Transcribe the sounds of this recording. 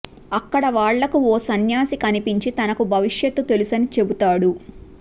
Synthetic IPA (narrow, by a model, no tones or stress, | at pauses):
ɐkːɐɽɐʋaːɭːɐkuɔːsɐnjaːsikɐnipiɲt͡ʃit̪ɐnɐkubʱɐʋiʂjɐt̪ːut̪e̞lusɐnit͡ʃe̞but̪aːɽu